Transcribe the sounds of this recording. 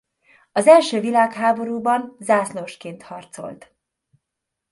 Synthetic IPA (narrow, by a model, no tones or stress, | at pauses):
ɒzɛlʃøːvilaːkɦaːbo̞ɾuːbɒnzaːsloʃkeːnt̪hɒrt̪so̞̰lt̪